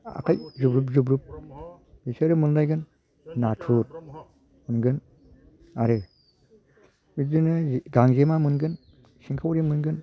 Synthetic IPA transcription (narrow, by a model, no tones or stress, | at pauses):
a̰kʰajzubɾup̬̚zub̬ɾup̚biseɾɯmɯnlajɡɯnː | atʰut̚ | mɯnɡɯn | aɾɯ | midɯnɯɡaŋzemamɯnɡɯn | siŋkʰawɾimɯnɡɯn